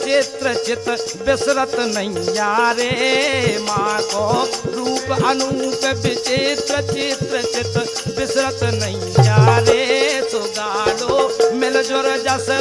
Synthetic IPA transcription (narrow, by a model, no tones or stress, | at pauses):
t͡ʃeːt̪ɾət͡ʃɪt̪ | bɪsɾət̪nəĩjaːɾeːmaːkɔːɾuːpənuːpəbɪt͡ʃeːt̪ɾət͡ʃɪt̪ɾət͡ʃɪt̪ | bɪsɾət̪nəĩːjaːɾeːt̪oɡaːɖoːmelod͡ʒoɾd͡ʒasə